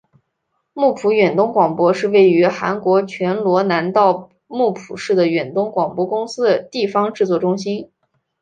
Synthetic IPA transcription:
mu˥˩pʰu˧˥ɥɛ˨˩nt̪ʊ˥ŋkwɑ˨˩ŋpwɔ˥ʂɻ̩˥˧we˥˩ɪy˧˥xa̰˧˥nkwɔ˧˥t͡ɕʰɥɛ˧˥nlwɔ˧˥na˧˥nt̪ɑ˥˧ʊ | mu˥˩pʰu˨˩ʂɻ̩˥˩d̪ə˩ɥɛ˨˩nt̪ʊ˥ŋkwɑ˨˩ŋpwɔ˥kʊ˥ŋsɹ̩˥d̪ə˨t̪i˥˩fɑ˥ŋʈ͡ʂɻ̩˥˧t͡swɔ˥˩ʈ͡ʂʊ˥ŋɕi˥n

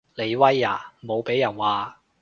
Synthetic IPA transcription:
le˨˧jwɐ˥jːa̰ː˨˩mo˨˧wpe˨˥jːɐ˨˩nwaː˨˧

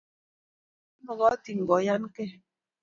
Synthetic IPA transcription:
mɔ˨ɡɔ˨˦ti˨ŋ̩˨ɡɔ˨˦ja˦n˦ke˦

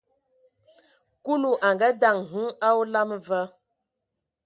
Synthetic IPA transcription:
ku˦lu˨ʔa˨ŋɡa˦da˦˨ŋɦɨ˦a˦wu˦la˦mvə˦

